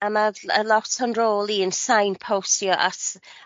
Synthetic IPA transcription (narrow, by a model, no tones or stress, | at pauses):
amaə̰lˠɔtʰənroːlˠiənsajnpʰowsjɔʔatʰ